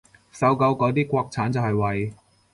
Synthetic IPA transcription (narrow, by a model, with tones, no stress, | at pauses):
sɐ˨˥˧wkɐ˧wkɔː˨˧t̪iː˥kʷɔː˧k̚t͡sʰaː˨˥nt͡sɐ˨whɐ˨jwɐ˨j